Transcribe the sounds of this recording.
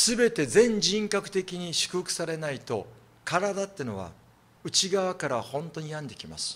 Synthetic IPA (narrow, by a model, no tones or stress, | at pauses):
sɨbe̞t̪e̞zẽ̞ɲ̟d͡ʑĩŋkakɯ̟̥t̪e̞kʲiɲ̟iɕɨ̥kɯ̟hɯkɯ̥saɾe̞nait̪o̞ | kaɾad̪at̪ːeno̞βa̰ | ɯ̟t͡ɕiɡaβakaɾahõ̞nt̪o̞ɲ̟ijãnd̪e̞kʲima̰sɨ̥